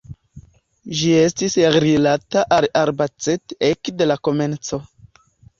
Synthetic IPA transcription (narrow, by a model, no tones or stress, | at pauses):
d͡ʒiestisaɡɾilataʔalaɾbat͡setekde̞lako̞me̞nt͡so̞